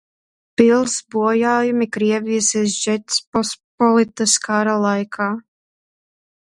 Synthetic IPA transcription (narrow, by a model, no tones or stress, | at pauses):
pilˠsbuɔjaːjumikɾiɛvijsisʒɛt̪spɔspɔlit̪askaɾalˠajkʰaː